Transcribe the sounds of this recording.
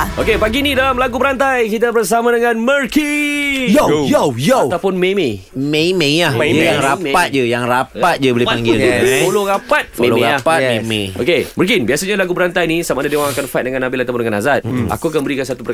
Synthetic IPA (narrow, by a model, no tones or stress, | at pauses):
ʔokepaɡinidalamlaɡubəɾant̪ajkit̪̬abərs̬amãdəŋãnmərkijjat̪awpʊnmeme | memeahjaŋɾaat̪̚d͡ʒajaŋrapat̪̚d͡ʒabolipaŋɡɪlupoloɾapat̪̚moẽloeaapameo̰keməɾk̬inbiasaɲalaɡupəɾant̪ajnisamadadewaŋakanfat̚dəŋanːabilat̪ap̬uʊndəŋanazat̪̚a̰kuakanmbəɾikans̬at̪upə